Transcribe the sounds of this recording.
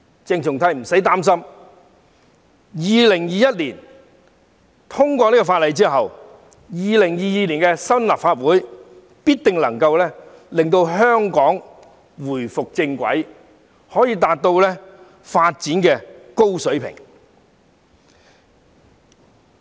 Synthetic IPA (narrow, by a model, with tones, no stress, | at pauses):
t͡sɪ˧ŋt͡sʰʊ˨ŋt̪ʰɐ˧jm̩˨˩sɐ˨˥jt̪aː˥ms̬ɐ˥m | jiː˨˧lɪ˨˩ŋjiː˨jɐ˥t̚liː˨˩n | t̪ʰʊ˥ŋkʷɔː˧liː˥kɔ˧faː˧t̚lɐ˨jt͡siː˥ɦɐ˨w | jiː˨˧lɪ˨˩ŋjiː˨jiː˧liː˨˩nkɛ˧sɐ˥nla˨p̚faː˧t̚wuː˨˥j | piː˥t̚t̪ɪ˨ŋlɐ˨˩ŋkɐ˧wlɛː˥ | lɪ˨ŋt̪o˧wɦœː˥ŋkɔː˨˥ŋ | wuː˨˩jfʊ˨k̚t͡sɪ˧ŋkʷɐ̰˨˥j | hɔː˨˥jiː˧t̪aː˨˧t̚t̪o˧wlɛː˥ | faː˧t̚t͡siː˨˥nkɛː˧ko˥wsɵ˨˥ɥpʰɪ̰˨˩ŋ